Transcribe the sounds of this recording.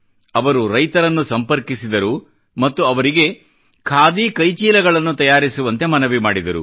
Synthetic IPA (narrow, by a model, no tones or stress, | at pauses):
ɐʋɐɾuɾɐjt̪ɐɾɐnːusɐmpɐɾkisid̪ɐɾu | mɐt̪ːuɐʋɐɾiɡe̞ | kʰaːd̪iːkɐjt͡ʃiːlɐɡɐɭɐnːut̪ɐjaːɾisuʋɐnt̪e̞mɐnɐʋimaːɽid̪ɐɾṵ